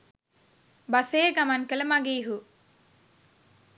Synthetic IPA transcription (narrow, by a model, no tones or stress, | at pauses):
bɐseːɡɐmɐŋkələmaɡiːɦu